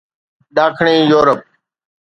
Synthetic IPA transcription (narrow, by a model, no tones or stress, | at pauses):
ɗaːkʰɳẽːjoːɾəp̚